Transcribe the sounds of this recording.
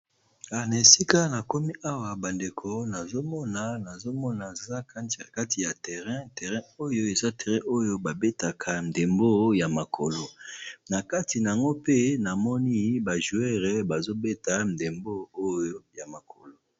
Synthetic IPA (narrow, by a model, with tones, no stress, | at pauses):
a˨na˨si˦ka˦na˨ko˦mi˦ʔa˦wa˨ba˨nde˨kʰo˨na˨zo˦mɔ˦na˨na˨zo˦mɔ˦na˨za˦ka˦˨a˨ka˦ti˨ja˨tɛ˨ʁɛ̃˦tɛ˨ʁɛ̃˦o˦jo˦e˨za˦tɛ˨ʁɛ̃˦ʔo˦jo˦ba˨be˦ta˨kʰa˨n˨de˨mbo˦ja˨ma˨kʰo˨lo˨na˨ka˦ti˨na˨a˨ŋɡo˦pe˦na˨mɔ˦ni˦ba˨ʒu˨˦ɛ˦ʁɛ˦ba˨zo˦be˦ta˦n˨de˨mbo˦o˦jo˦ja˨ma˨kʰo˨lo˨